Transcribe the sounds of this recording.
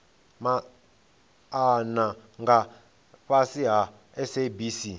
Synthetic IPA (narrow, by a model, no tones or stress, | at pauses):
ma | anaŋɡa | ɸasiɦa | ɛsebisi